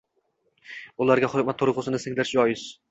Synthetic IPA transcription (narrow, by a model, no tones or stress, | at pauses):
ʊlˠaɾɡʲaχʊɾʲmat̪ʰːoɾqʰʊsɪnɪsɪŋlaɾʃɒjɪz̥